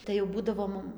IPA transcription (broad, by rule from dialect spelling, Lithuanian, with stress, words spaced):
tɐɪ jɛʊ ˈbuːdɐʋoː ˈmʊm